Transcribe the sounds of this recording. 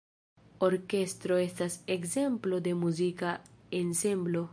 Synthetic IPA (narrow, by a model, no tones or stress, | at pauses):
oɾke̞st̪ɾo̞e̞stasekze̞mplo̞d̪e̞muzikaensemblo̞